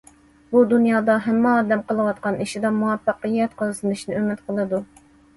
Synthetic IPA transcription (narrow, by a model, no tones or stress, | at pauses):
bud̪unjɑːd̪ɑɦɛmːɛɑːd̪ɛmqəlˠɨwɑt̪̚qɑniʃid̪ɑmuwɑpːɑqəjɛt̪qʰəzˠɨsɨnɨʃnɨømɪt̪qʰəlˠɨd̪u